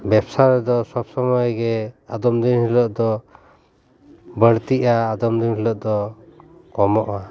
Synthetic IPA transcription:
bɛbsaɾɛd̪ɔsɔbsɔmɔjɡɛad̪ɔmd̪inhilɔʔd̪ɔ | bəɽt̪iʔaːd̪ɔmd̪inhilɔʔ̚d̪ɔ | kɔmɔʔa

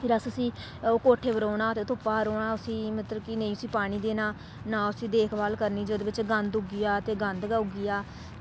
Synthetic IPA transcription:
pʰɪɾəsəsĩː | oːkoːʈʰeːbəɾoːnaːt̪eːt̪ʊpːaːɦəɾoːnãːʊsĩːmət̪ɾəbkɪnəĩːʊsĩːpaːɽ̃ĩːd̪eːnaː | naːʊsĩːd̪eːkʰbaːlkəɾniːd͡ʒoːd̪eːbɪt͡ʃɡənd̪ʊɡɪjaːt̪eːɡənd̪ɡaʊɡɪjaː

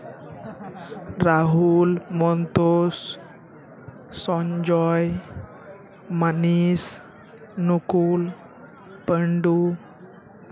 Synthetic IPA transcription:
ɾaɦulmɔnt̪os | sɔɲd͡ʑɔj | manis | nukul | pəɳɖu

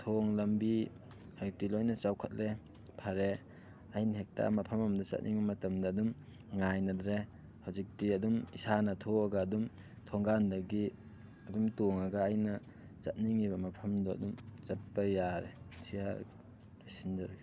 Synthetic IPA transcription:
tʰoŋlɐmbi | hazik̚tilojnɐt͡ʃawkʰɐt̚le | pʰɐɾe | ajnɦek̚ta̰mɐpʰɐmɐmdat͡ʃɐ̰t̚nʔḭŋbɐmɐtɐmdɐːdum | ŋajnɐdɾe | hawzik̚tiɐdumisanɐtʰoaɡɐːdum | tʰoŋɡandɐɡi | ɐdumtoŋaɡaːjnɐ | t͡ʃɐt̚niŋibɐmɐpʰɐmdɔɐ̰dumt͡ʃɐt̚pajaɾesiaɾ | sindɐɾɡi

